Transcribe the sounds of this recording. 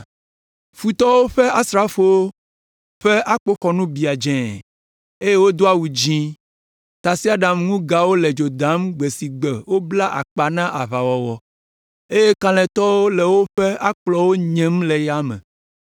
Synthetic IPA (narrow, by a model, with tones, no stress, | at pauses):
fu˨t̪ɔ˦wo˦ɸɛ˦a˦sɾa˦fo˦wo˦ | ɸe˦ʔa˦k͡po˦xɔ˨nũ˦bi˨a˨d͡ʒɛ̃˨ | e˦je˦wo˦d̪o˦a˦wu˨d͡ʒĩ˦ | t̪a˨si˦a˨ɖã˨mŋũ˦ɡa˨wo˦lɛ˨d͡ʒo˨d̪ã˨˦mɡ͡be˨si˨ɡ͡bɛ˨wo˦bla˦ʔa̰˨k͡pa˨nã˦ʔa˨βa˨wɔ˨wɔ˨ | e˦je˦kã˦lɛ̃˨t̪ɔ˦wo˦lɛ˨wo˦ɸe˦a˦k͡plɔ˦wo˦ɲɛ̃˦mlɛ˨ja˦mɛ̰̃˨